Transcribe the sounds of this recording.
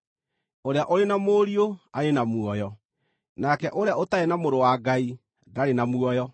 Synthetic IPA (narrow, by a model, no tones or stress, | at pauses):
oɾeaʔoɾenamoːɾioaɾenamuɔjɔ | naːkɛʔoɾeaotaɛnamoɾowaːɡai | daɾenamuɔjɔ